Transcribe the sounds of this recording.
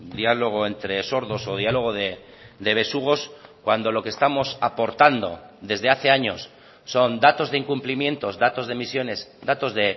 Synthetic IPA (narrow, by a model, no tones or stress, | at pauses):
d̪ialo̞ɣ̞o̞ent̪ɾe̞so̞ɾðo̞so̞ð̞ialo̞ɣ̞oðe | d̪e̞β̞e̞suɣ̞o̞skwand̪o̞lo̞kest̪amo̞sapo̞ɾt̪and̪o̞̰d̪e̞zðe̞aθe̞aɲo̞sː | o̞nd̪at̪o̞zðe̞iŋkumplimjẽ̞nt̪o̞zdat̪o̞zðe̞misjo̞ne̞sd̪at̪o̞zðe̞